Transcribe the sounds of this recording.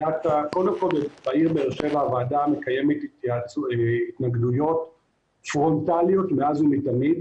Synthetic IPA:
atako̞ld̪emko̞lbet͡saiʁbeːʁʃe̞vaːvaːdame̞kaje̞met̪a | it̪naɡdujo̞t | fʁo̞ntalijo̞tmeazhumitamid

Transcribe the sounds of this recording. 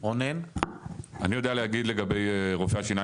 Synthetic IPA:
ʁonen | anijod̪ealehaɡid̪le̞ɡabe̞jʁofeaʃina

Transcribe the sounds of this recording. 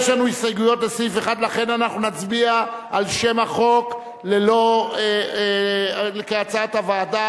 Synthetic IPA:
ʃlanuisajɡujo̞tlesifeχad̪laχe̞nanaχnunat͡sbiaʔalʃe̞maχo̞k | lelo̞e | lekeat͡saatavaːda

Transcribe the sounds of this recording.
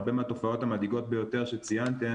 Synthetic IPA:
bemeato̞fao̞thamadiɡo̞t̪̚be̞jo̞te̞ʁ̞ʃet͡sijant̪e

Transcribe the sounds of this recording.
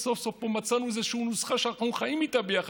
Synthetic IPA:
sofsofpomat͡sanuzɛʃunusχaʃaqonχaimit̪abeaχ

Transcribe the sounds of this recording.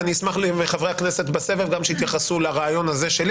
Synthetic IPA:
niismaχlimeχavʁeakneset̪base̞velɡamʃeit̪jaχasulaʁaːjo̞nazeʃel

